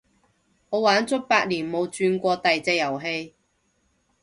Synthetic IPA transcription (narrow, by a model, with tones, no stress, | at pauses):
ŋɔː˨˧˥waː˨˥nt͡sʊ˥k̚paː˧k̚liː˨˩nmo˨˧wt͡ʃyː˧nkʷɔː˧t̪ɐ˨jt͡sɛː˧jɐ˨˩wɦe˧j